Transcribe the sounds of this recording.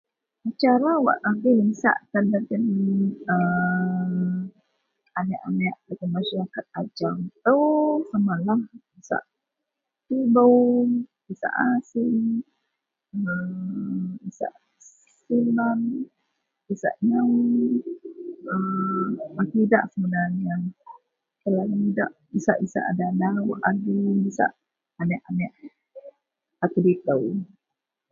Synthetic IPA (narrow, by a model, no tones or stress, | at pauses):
at͡ʃaɾawa̰ʔaɡiliŋsa̰ʔt̪andaɡənə | anaʔanaʔdaɡəmaʃaɾakat̪̚ad͡ʒamt̪owsamalahisa̰ʔ | tibo | isa̰ʔasi | ə | isa̰ʔ | silan | isa̰ʔɲaw | ə | makidaʔsəbənania | kəlaɡidaʔ | isa̰ʔisa̰ʔadanawʔaɡumisa̰ʔ | anɛʔanɛʔ | ak̪udit̪əw